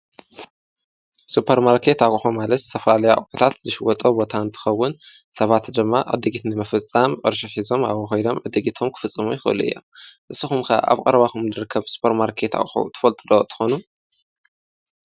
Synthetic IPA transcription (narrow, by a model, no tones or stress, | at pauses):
supʰɐɾmaɾkʰe̞t̪akʼħumalɐt̪sʰɐfɐlalɐjakʼħut̪ʰat̪zɨʃwɔt̪ʼobo̞t̪ʰaɨnt̪ʰɨ̥xɐwːʊn | sɐβat̪d̪ɨmːaʔɨ̰d̪ɨɡit̪nɨmɨfɨt͡sʼːamʔʼɨɾʃiħizo̞ma̰βxojdo̞mʕɨd̪ːɨɡit̪ʰomkʰɨ̥fɨt͡sʼːɨmujɪxɨʔɨ̰luɨ̰jːo̰mʔɨsːɨxumkʰɐ̰ʔa̰βkʼɐ̰ɾɐβaxumdɨɾɨkʰːɐβsu̥pʰɐɾmaɾkʰe̞t̪a̰kʼħṵt̪ʰɨ̥fɐlt̪ʼɨd̪ot̪ʰɨ̥xonu